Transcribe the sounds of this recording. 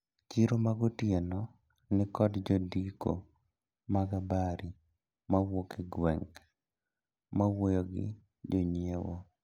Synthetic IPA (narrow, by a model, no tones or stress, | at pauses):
t͡ʃiɾomaɡotjenɔ | nɪkɔdd͡ʒodiko̰ | maɡabaɾi | mawokeɡwɛŋk | mawojoɡɪ̰ | d͡ʒoɲiewo